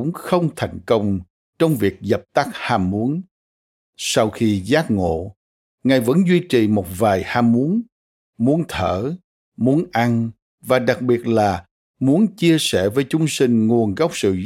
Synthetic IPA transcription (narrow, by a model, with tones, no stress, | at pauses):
ʊ̰˧˥ŋ͡mxə˧wŋ͡mt̪ʰa˨˩jŋ̟kə˧wŋ͡m | t͡ɕɔ˧wŋ͡mvi˨˩ək̚zə˨˩p̚t̪a˦˥k̚haː˧mːu˨˦ən | sa˧wxi˧zaː˦˥t̚ŋo̰˧˨ | ŋa˨˩jvə̰˧˥nzwi˧t͡ɕḭ˨˩mo˨˩t̚vaː˨˩jhaː˧mːu˨˦ən | mu˨˦ənt̪ʰəː˧˩ | mu˨˦ənʔa˧n | vaː˨˩ɗa˨˩k̚ɓi˨˩ət̚laː˨˩ | mu˨˦ənt͡ɕi˧əsɛ˧˩vəː˨˦jt͡ɕʊ˨˦ŋ͡msï˧ŋ̟ŋu˨˩ənɣɔ˦˥wk͡p̚sɨ̰˧˨